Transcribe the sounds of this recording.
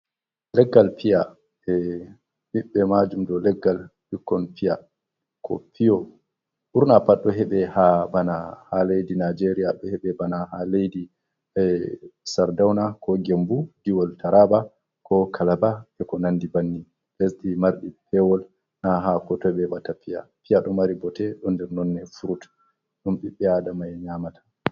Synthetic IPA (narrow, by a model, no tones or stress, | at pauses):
lɛɡːalpija | ɛ | ɓiɓːɛmad͡ʒumdɔlɛɡːalɓikːɔnpija | kʰɔ̰pʰijɔ | huɾnapaɗɔɦɛɓɛhabanahalejdinad͡ʒeɾijaɗɔhɛɓɛbanahalejdi | saɾdawnakʰɔɡembudiwɔltʰaɾaba | kʰɔkʰalabaɛkɔnandibanːi | lesɗimaɾɗipʰɛwɔl | naɦakɔtɔbɛbatapija̰pijaɗɔmaɾibɔtɛɗɔndɛɾnɔnːɛfuɾut | ɗumɓiɓːɛadamajɛɲamatʰḁ